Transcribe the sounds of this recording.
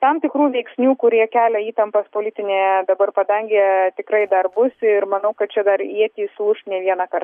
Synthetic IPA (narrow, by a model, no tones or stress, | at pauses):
t̪ɐmt̪ʲɪkɾuːʋʲɛɪksʲnʲuːkʊɾʲiɛkʲæːlʲɛiːt̪ɐmpɐspoːlʲɪt̪ʲɪnʲeːjd̪ɐbɐrpɐd̪ɐŋʲɡʲet̪ʲɪkɾɐɪd̪ɐrbʊsɪrmɐnɐʊkɐt̪̚t͡ʃʲɛd̪ɐɾiɛt̪ʲiːsuʃnʲɛːʋʲiɛnɐkɐrt